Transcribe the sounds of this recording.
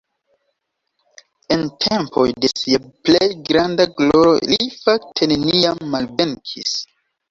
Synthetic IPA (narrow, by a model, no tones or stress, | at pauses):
entʰempʰo̞̰jde̞siaplejɡɾandaɡlo̞ɾo̰lifaktʰene̞niamːalve̞ŋkʰḭs